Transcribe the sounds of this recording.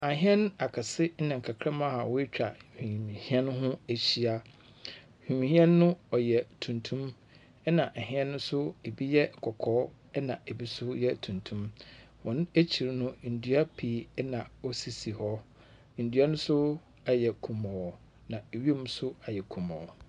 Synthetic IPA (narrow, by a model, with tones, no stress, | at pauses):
a˨ɦɪ̃˦ɛ̃˦n˦a˨kʰa˨sɪ˦n̩˦nã˨ŋ˨kʰa˨kʰɾa˦mã˦ha˨wɔ˦e˦t͡ɕᶣa˨hᶣĩ˨m˨hĩ˦ɛ̃˦n˦ɦʊ̃˦æ˨ɕi˦a˦ | hᶣĩ˨mĩ˨hĩ˦ɛ̃˦nːʊ̃˦ɔ˨jɛ˨tʰũ˨ntʰũ˦m | ɛ˦nã˨ʔɛ˨hɪ̃˦ɛ̃˦nʊ̃˦sʊ˦e˨bi˦jɛ˦˨kʰɔ˨kʰɔː˨˦ | ɛ˦nã˨e˨bi˦sʊ˦jɛ˦tʰũ˨ntʰũ˦m | wɔ̃˨n˦e˦t͡ɕʰi˨ɾnʊ̃˦n̩˨dɥa˦pʰi˨˦nã˨ɔ˦si˨si˨hɔ˦ | n̩˨dɥa˦nʊ̃˦sʊ˦ | a˨jɛ˨kʰũ˨mɔ̃˨ɔ˨ | nã˨e˨ɥmũ˦sʊ˦a˨jɛ˨kʰũ˨mɔ̃˨ɔ˨